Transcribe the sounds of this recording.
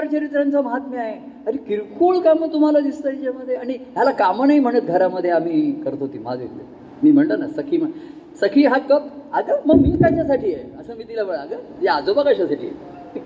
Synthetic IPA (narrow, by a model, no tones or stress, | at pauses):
aɾt͡ɕəɾit̪ɾant͡saməɦat̪meaɦe | aɾikiɾkʰuːɭkamət̪um̤alad̪ist̪ajt͡ɕjaməd̪ʱːjeaɽ̃iɦjalakamənaim̤əɽ̃ət̪̚ɡʱəɾaməd̪ʱːjeam̤iːkəɾt̪oɦot̪iːmad͡zemd̪ḛ | miːm̤əɳʈ̪ənasəkʰiːmə | səkʰiːɦakət̪aɡəməɡmiːt̪jat͡ɕasaʈiːjeəsəːmiːt̪ilabəɭaɡəjad͡zobakəɕasaʈʰḭːjḛ